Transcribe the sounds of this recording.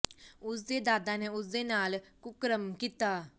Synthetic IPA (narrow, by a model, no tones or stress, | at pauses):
ʊs̬d̪eːd̪aːd̪aːneːʊs̬d̪eːnaːlkʊkɾəmkiːt̪aː